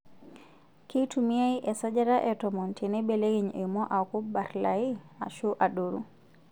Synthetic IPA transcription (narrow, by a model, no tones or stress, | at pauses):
kitumiajʔɛsad͡ʒaɾaʔɛtɔmɔntʰɛnɛbɛleɡiɲɛmɔʔakubaɾlajia̰ʃuʔaɗoɾu